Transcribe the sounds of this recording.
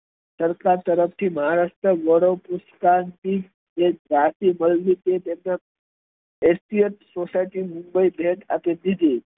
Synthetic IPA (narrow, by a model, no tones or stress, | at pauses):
səɾkat̪əɾəft͡ɕiːməɦaɾaʂt̪ɾəʋəɽəʋpuskant̪iː | ek̚ɡʱatiːməlliːt̪et̪enːa | est̪ijət̪sosajʈiːmumbəibʱeʈa̰t̪ed̪it̪e